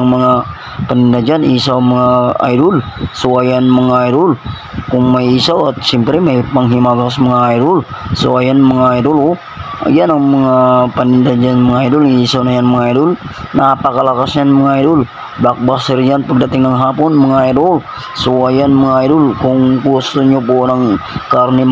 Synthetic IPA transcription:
ŋməŋa | pənindad͡ʒanisaməŋaa̰idulsuwajanməŋaiɾul | kuŋmmaisawat̪simpəɾimapaŋɦimaɡas̬məŋaiɾulsajanməŋaiɾulu | a̰janaŋməŋapanind̪ad͡ʒanməŋaidulisawnajanməŋaidulnaːpakalakasɲanməŋaidul | bak̚basərd͡ʒanpəkdat̪iŋnaŋɦapunməŋaiɾul | suajanməŋaidulkuŋkusuɲopunaŋkarni

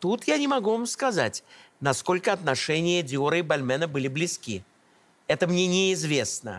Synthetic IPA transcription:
t̪ut̪janʲɪmɐɡuvamskɐza̰tʲnɐsko̞lʲkəɐt̪nɐʂɛnʲɪjədʲɪoɾəɪbɐlʲmɛnəbɨlʲɪblʲɪskʲi | ɛt̪əmnʲenʲɪɪzvʲe̞snə̰

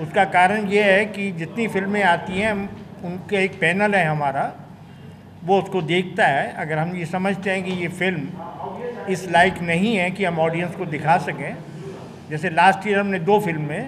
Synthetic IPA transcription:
ʊskakaːɾəɽ̃jeɦɛkid͡ʒɪt̪nifɪlmːẽaːt̪iɦɛ̃ʊnkaeːk̚pɛːnəlɦɛɦɐmaːɾa | ʋoʊskod̪eːk̚ʰt̪aɦɛʔɐɡəɾɦɐmjesɐməd͡ʒʱt̪eɦɛ̃kijefɪlm | ɪslaːɪknɐɦĩɦɛkiɦɐmɔːɖijə̃nskod̪ɪkʰasɐkẽ | d͡ʒɛːselaːsʈiːəɾɦɐmnẽd̪oːfɪlmːẽ

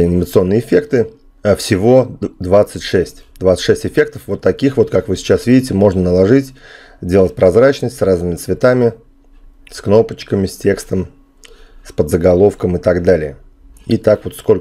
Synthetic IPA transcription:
ɐnʲɪmət̪sɨo̞nːɨjəɪfʲe̞kt̪ɨ | afsʲɪvo̞d̪vat̪sɨtʲʂɛsʲtʲd̪vat̪sɨ̥tʂɛsʲtʲɪfʲe̞k̚t̪əfvo̞t̪ːɐkʲixvo̞t̪kakvɨsʲɪ̥t͡ɕasvʲidʲɪtʲɪmo̞ʐnənəlˠɐʐɨtʲ | zʲdʲelˠətʲpɾɐzɾat͡ɕnəsʲtʲsraznɨmʲɪt̪svʲɪt̪amʲɪ | skno̞pət͡ɕkəmʲɪsʲtʲe̞kst̪əm | spəd̪zəɡɐlˠo̞fkəmɨt̪aɡd̪alʲɪjə | it̪akvo̞t̪sko̞lʲ

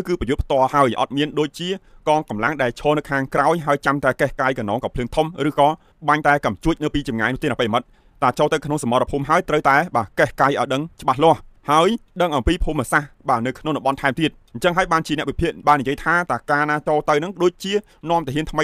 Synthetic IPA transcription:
kɨːprɑjut̪pʰt̪ŏəlhaəjʔɑ̰t̪̚miənɗoːc̚t͡ɕiəkɑːŋkɑmlaŋɗaɛlt͡ɕʰɔːnɨwkʰaːŋkraɔjɦaəjt͡ɕamt̪aɛkɛhkaːjkɑnɔːŋkɑːpʰlɨːŋt̪ʰumrɨːkɑː | ɓaɲt̪aɛkamt͡ɕuəc̚nɨwpiːt͡ɕɑmŋajnʊ̆ht̪eːnapejmɨt̪̚ | t̪aːt͡ɕoːlt̪ɨwkʰnoŋsamɑrɑpʰuːmɦaəjt̪rəwt̪aɛɓaːkɛhkaːjʔaɔjɗəŋt͡ɕə̆ɓahlŏəhhaəjɗəŋʔɑmpiːpʰuːmasahɓaːnɨwkʰnoŋɗɑmɓɑnt̪ʰaɛmt̪iət̪̚ɲt͡ɕəŋɦaəjɓaːnt͡ɕiənɛ̆əʔʋipʰiəʔɓaːnːijəjt̪ʰaːt̪aːkaːnaːt͡ɕoːt̪ɨwnɨŋɗoːc̚t͡ɕiə | nŏəmt̪aɛɦiənt̪ʰməj

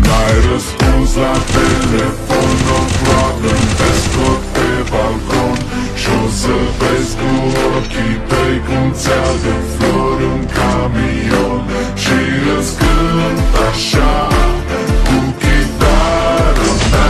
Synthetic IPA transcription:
najɾəskunslat̪elefonoflat̪ɨnpeskot̪̚pebalkon | ʃiosəveskuokʲit̪ejkumt̪sad̪əfloɾuŋkami | on | ʃiɾəskɨnt̪aʃa | kukit̪aɾ

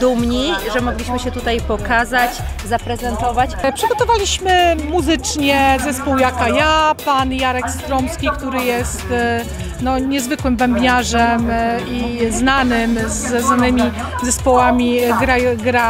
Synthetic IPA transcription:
d̪umɲiʐɛmɔɡlʲiɕmɘɕɛt̪ut̪ajpɔkazat͡ɕzapɾɛzɛnt̪ɔvat͡ɕpʂɘɡɔt̪ɔvalʲiɕmɘmuzɘt͡ʂɲɛzɛspuwjakajapanjaɾɛkst̪ɾɔmskʲikt̪uɾɘjɛst̪ | nɔɲɛzvɘkwɘmbɛmbʲɲaʐɛmiznanɘmzɛznanɘmʲi | zɛspɔwamʲiɡɾaɡɾa

